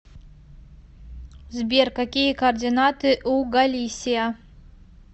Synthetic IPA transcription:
zbʲerkakʲijɛkoːrdʲinatʰɨʔuɡalʲisʲija

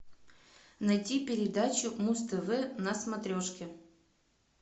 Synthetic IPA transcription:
nɐjtʲipʲɪɾʲɪd̪at͡ɕʊmust̪əvɛnɐsmɐt̪ɾʲoʂkʲɪ

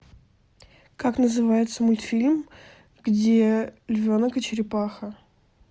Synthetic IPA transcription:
kaknəzɨvajɪt̪səmʊlʲt̪fʲilʲm | ɡdʲelʲvʲo̞nəkət͡ɕɪɾʲɪpaxə

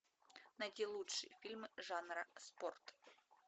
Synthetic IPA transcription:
nɐdʲilˠutʂɨ̰jfʲilʲmɨʐanɾɐsport̪

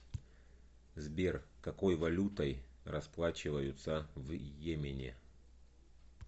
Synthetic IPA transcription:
zbʲerkɐkojvɐlʲut̪ɐjrɐsplˠat͡ɕɪvəjʊt̪sɐvjemʲɪnʲɪ̰

